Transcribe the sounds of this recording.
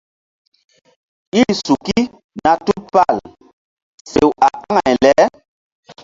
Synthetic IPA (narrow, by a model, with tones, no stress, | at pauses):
i˦su˨ki˦ | na˨tu˦pa˦˨l | se˨wa˨ʔa˦ŋa˨jlɛ˨˦